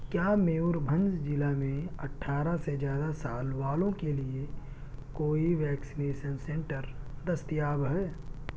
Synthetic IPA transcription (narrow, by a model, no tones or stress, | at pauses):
kjaːmeːʊɾbʱə̃nd͡ʒd͡ʒɪlamẽɐʈʰːaːɾased͡ʒjaːd̪asaːlʋaːlõkelie | koːiʋɛːksɪneːʃənsẽɳʈəɾd̪ɐst̪ijaːbɦɛː